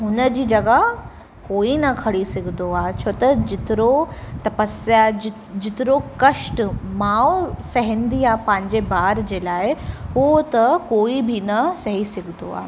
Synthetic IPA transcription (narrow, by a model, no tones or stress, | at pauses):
ɦʊnəd͡ʑiːd͡ʑɐɡaɦ | koːinɐkʰɐɽisɪɡʱnd̪oaːt͡ɕʰoːt̪ɐd͡ʑɪt̪ɪɾot̪ɐpəsja | d͡ʑɪt̪ɪɾokɐʃʈmaːwsɐɦɪ̃nd̪iaːpɐ̃ɦɪ̃ɲd͡ʑebaːɾd͡ʑeːlaːɪɦuot̪ɐkoːibʱinɐsɐɦisɪɡʱɪno̰a̰ː